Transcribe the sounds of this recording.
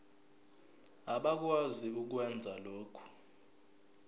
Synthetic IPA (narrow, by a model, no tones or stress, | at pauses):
aɓak̬waziuk̬wɛnd͡zʱaloːkʰu̥